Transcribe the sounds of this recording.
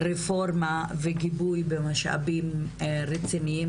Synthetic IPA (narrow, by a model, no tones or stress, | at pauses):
ɾefoɾmaveɡibujbemaʃa̰bimɾet͡siniim